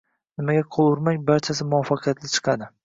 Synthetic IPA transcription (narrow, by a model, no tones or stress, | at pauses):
nɪmaɡʲaqʰolˠʊɾmaŋbaɾt͡ʃʰas̬ɪmʊɒfːɑqʰɨjat̪lɪt͡ʃʰɨ̥qʰɑd̪ɪ